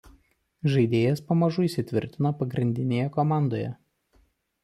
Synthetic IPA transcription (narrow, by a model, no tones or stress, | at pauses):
ʒɐɪd̪ʲeːjɛspɐmɐʒʊiːsʲɪt̪ʲʋʲɪ̰ɾʲt̪ʲɪnɐpɐɡɾʲɪnʲd̪ʲɪnʲeːjɛkɔmɑˑnd̪oːjɛ̰